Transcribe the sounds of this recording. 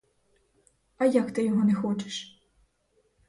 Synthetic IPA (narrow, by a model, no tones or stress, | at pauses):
ɐjɐkt̪ɪjɔɦɔnɛxɔt͡ʃɪ̥ʃ